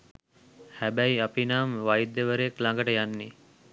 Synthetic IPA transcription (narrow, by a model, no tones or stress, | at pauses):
hæbæjapinaːmʋajd̪ːəʋəɾəjeklaŋɡəʈəjanːi